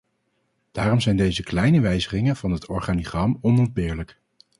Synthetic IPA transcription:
d̥aːrɔmzɛjndejzəklɛjnəʋɛjzəχɪŋənv̥ɑnɦətʰɔɹχaːniχrɑmɔnɔnd̚bɪːɹlək

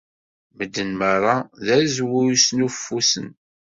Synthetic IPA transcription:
məd̪ːənməɾˤɑðæɾzwujusnufːusə̰n

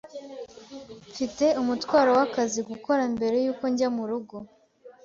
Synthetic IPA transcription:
fite̞umutwaːɾowakaziɡuko̞ɾambe̞ɾe̞juːko̞ɲɟamuɾuɡo

